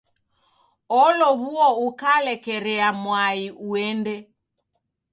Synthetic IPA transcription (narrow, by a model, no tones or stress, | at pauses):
ɔlɔβuɔukalɛkɛɾɛamwaiʔuɛndɛ